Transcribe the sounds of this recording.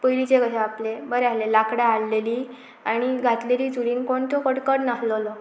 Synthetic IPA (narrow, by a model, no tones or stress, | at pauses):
pəjlit͡ɕeɡəɕaaplebəɾealelakɽjaalːeliː | aɽ̃iɡʱat̪leliːd͡zuɾiːnkoɳt̪okəɽkəɾnaɦləlɔ